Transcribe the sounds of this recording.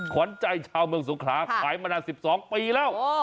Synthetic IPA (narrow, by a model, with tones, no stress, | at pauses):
kʰɔ˩˦nt͡ɕa˧jt͡ɕʰaː˧wmɯ˧əŋs̬u˩˦ŋkʰlaː˩˦˥kʰaː˩˦jmaː˧daː˧nsi˨˩p̚sɔː˨˩˦ŋpiː˧lɛː˥˩w